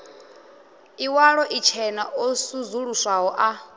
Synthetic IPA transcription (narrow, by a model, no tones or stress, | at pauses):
iwaɺɔʔit͡ʃʰɛnaʔosuzuɺuswaɦɔʔa